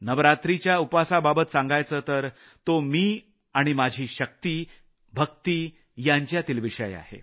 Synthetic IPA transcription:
nəʋɾat̪ɾit͡ɕjaupasababət̪sãŋɡajt͡səːt̪əɾ | t̪omiː | aɽ̃imad͡ʑʱiːɕək̚t̪iː | bʱək̚t̪iː | jaɲt͡ɕjat̪iːlʋiʂəja̰hḛ

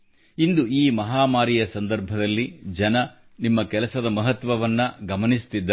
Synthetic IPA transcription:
ind̪uiːmɐɦaːmaːɾijɐsɐnd̪ɐɾbʱɐd̪ɐlːid͡ʒɐnɐ | nimːɐkɛlɐsɐd̪ɐmɐɦɐt̪ʋɐʋɐnːɐɡɐmɐnist̪id̪ːɐ

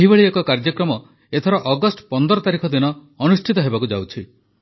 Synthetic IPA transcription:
eɦibeɭiekɔkaɾd͡ʒɔkɾɔmɔ | et̪ʰɔɾɔʔɔɡɔsʈpɔnd̪ɔɾɔt̪aɾikʰɔd̪inɔː | nusʈʰit̪ɔɦebakud͡ʒawt͡ʃʰi

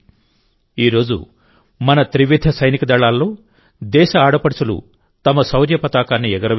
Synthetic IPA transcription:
iːɾo̞ːd͡ʒṵ | mɐnɐt̪ɾiʋid̪ʱːɐsɐjnikɐd̪ɐɭːaːlːo̞ː | d̪ɛːʃɐaːɽɐpɐɽt͡ʃulṵ | t̪ɐmɐsɐwɾjɐpɐt̪aːkaːnːiɛɡɐɾɐ

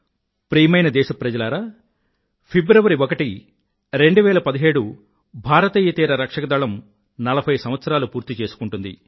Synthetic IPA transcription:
pɾiːmɐjnɐd̪ɛːʃɐpɾɐd͡ʒɐlaːɾa | pʰibɾɐʋɐɾiokɐʈi | ɾe̞ɳɖuʋɛːlɐpɐd̪iɦe̞ːɽu | bʱaːɾɐt̪iːjɐt̪iːɾɐɾɐkʂɐkɐd̪ɐɭɐm | nɐlɐbʱɐjsɐm̃ʋɐt̪sɐɾaːlupuːɾt̪it͡ʃe̞ːsu̥kuɳʈund̪ḭ

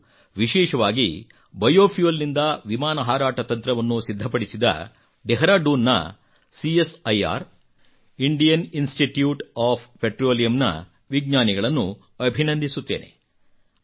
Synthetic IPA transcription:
ʋiʃɛːʃɐʋaːɡḭ | bɐjoːpʰijolːind̪ɐʋimaːnɐɦaːɾaːʈɐt̪ɐnt̪ɾɐʋɐnːusid̪ʱːɐpɐɽisid̪ɐ̰ | ɖ̪eɦɐɾaːɖuːnːɐ̰ | siesɐja̰ːɾ | iɳɖijɐninsʈiʈjuːʈaːppeʈɾoːlijɐmnɐ̰ | ʋiɡɲaːniɡɐɭɐnːu | ɐbʱinɐnd̪ʱisut̪ːeːnʔe̞̰

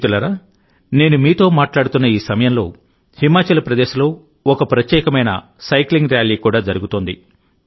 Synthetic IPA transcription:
t̪ulaːɾaː | ne̞ːnumiːt̪o̞ːmaːʈlaːɽut̪unːɐiːsɐmɐjɐmlo̞ː | himaːt͡ʃɐlɐpɾɐd̪eːʃɐlo̞ː | ɔkɐpɾɐt̪jɛːkɐmɐjnɐ̰ | sɐjkliŋɡɾjaːliːkuːɽaːd͡ʒɐɾuɡut̪oːnd̪ḭ

